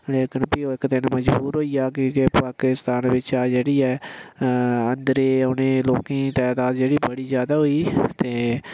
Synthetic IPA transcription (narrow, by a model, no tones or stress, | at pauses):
leːkɪnpɪoːɪkd̪ɪnməd͡ʒbuːɾɦoːijaːkeepaːkɪst̪aːnʋɪt͡ʃaːd͡ʒeːɽiːɛː | ənd̪ɾeːʊnẽːloːkẽːt̪ɛːd̪aːd̪d͡ʒeːɽiːbəɽiːzjaːd̪aːɦoiːt̪eː